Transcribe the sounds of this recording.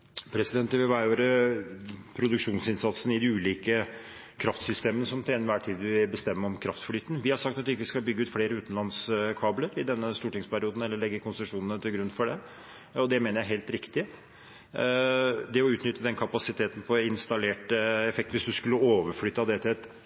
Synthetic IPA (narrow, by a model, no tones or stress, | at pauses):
pʰɾɛsɪd̪ɛnt̪əʋɪʋɑɪoːɾə | pʰɾʊd̪ʉkʂuːnsɪnsɑt̪sənɪd̪ɪʉːliːkə | kʰɾɑft̪sʏst̪eːmənəsɔmt̪ʰɛnʋæːʈʰiːd̪ʋɪbəst̪ɛmːəɔmkʰɾɑft̪fɽyːt̪n̩ʋɪhɑʂɑkt̪ɑt̪ɪkːəʋɪskɑlbʏɡːəʉːt̪fleːɾəʉːt̪n̩lɑnskʰɑːbləɾɪd̪ɛnːəst̪uːʈɪŋspæɾɪuːd̪n̩ɛlːəɭɛɡːəkʰɔnsəʂuːnənət̪ʰɪlɡɾʉnːfɔɖɛ | ɔd̪ɛmeːnəɾjæɪɦeɪlt̪ɾɪkt̪ɪ | d̪ɛɔʉːt̪nʏt̪ːəd̪ɛnkʰɑpɑsɪt̪ʰeːt̪n̩pʰɔɪnst̪ɑleːʈəɛfɛk̚t̪ʋɪsd̪ʉskʉlːəoːʋəɾfɽyːt̪ːɑd̪ɛt̪ʰɛt̪